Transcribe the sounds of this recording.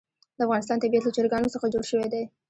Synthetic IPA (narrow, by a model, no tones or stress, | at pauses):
d̪̥əafɣɑnɪst̪ɑnt̪abijat̪lat͡ʃɑɾɡɑnosəxad͡ʒoɽʃəwed̪e